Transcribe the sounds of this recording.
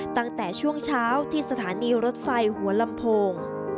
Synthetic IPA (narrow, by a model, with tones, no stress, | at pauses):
t̪a˥˩ŋt̪ɛː˨˩t͡ɕʰu˥˩əŋt͡ɕʰaː˦˥wt̪ʰiː˥˩sa˧t̪ʰaː˩˦niː˧ɾo˦˥t̪̚fa˧jhu˩˦ɐla˧mpʰoː˧ŋ